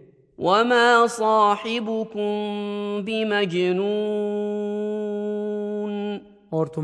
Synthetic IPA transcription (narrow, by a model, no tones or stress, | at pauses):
wʔamaːsˤɑːħɪbʊkʊmbɪmad͡ʒnuː | n | ɔɾt̪ʊ